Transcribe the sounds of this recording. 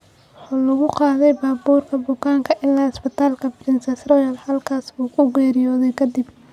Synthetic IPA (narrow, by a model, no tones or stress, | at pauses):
wħɑːlɐɣʊqɑːðɛjbaːbuːrkʰɐbʊkaːŋkʰɐʔɪlːaːɪsbɪt̪ʰaːlkʰɐbrɪnsɛsrɔjɐlhɐlkʰaːsbuːkʰʊɡɛːɾɪjɔːðɛjkʰɐd̪ɪb